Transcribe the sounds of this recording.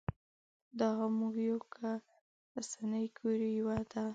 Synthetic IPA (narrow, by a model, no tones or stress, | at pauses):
d̪ɑɣamuɡjawkʰa | ɾasanəjɡʰuɾijawad̪a